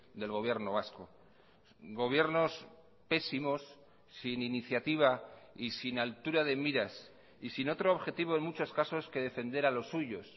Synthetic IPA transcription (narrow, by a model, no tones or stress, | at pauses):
d̪e̞lɣ̞o̞βje̞ɾno̞β̞asko̞ | ɡo̞β̞je̞ɾno̞s | pe̞simo̞sː | ininiθjat̪iβ̞aisinalt̪uɾað̞e̞miɾas | isino̞t̪ɾoːβxe̞t̪iβ̞o̞enmut͡ʃo̞skaso̞ske̞ðe̞fe̞nd̪e̞ɾalo̞sːuʝo̞s